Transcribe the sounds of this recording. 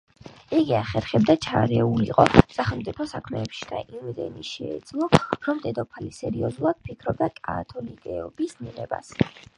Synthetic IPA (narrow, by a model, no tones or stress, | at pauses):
iɡiaχɛɾχɛb̚d̪at͡ʃʰaɾɛulḭqʼɔsaχɛlˠmt̪sʼipʰɔsakʰmɛːpʃi̥d̪̥aʔimvɛd̪ɛ̰niʃɛːd̪z̥lˠɔɾɔmd̪ɛd̪ɔpʰalisɛɾiɔzulˠad̪̥̚pʰikʰɾɔb̚d̪akʼat̪ʰɔlikʼɛɔbisniʁɛba̰s